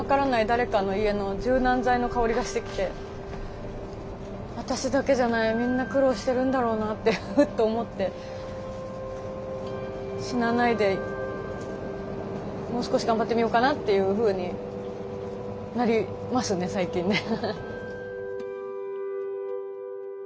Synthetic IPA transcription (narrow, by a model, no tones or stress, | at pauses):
akaɾanaid̪aɾe̞kano̞ie̞no̞d͡ʑɨːnãnzaino̞kao̞ɾʲiɡaɕi̥t̪e̞kʲi̥t̪e̞ | βat̪aɕid̪ake̞ʑanaimʲĩnːakɯ̟ɾo̞ːɕi̥t̪e̞ɾɯ̟̃nd̪aɾo̞ːnat̪ːeɯt̪ːo̞ːmo̞t̪ːe̞ | ɕinanaid̪e̞ | mo̞ːsɨ̥ko̞ɕiɡãmbat̪ːe̞mʲijo̞kanat̪ːe̞jɯ̟ɸɯ̟ːɲ̟i | naɾʲi | masɨne̞saikʲĩnːe